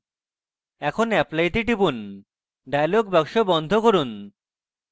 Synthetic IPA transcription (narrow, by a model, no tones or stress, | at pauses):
ɛkʰonɛplajʈ̪iʈipun | ɖajloɡbɔkʃobɔnd̪ʱokoɾun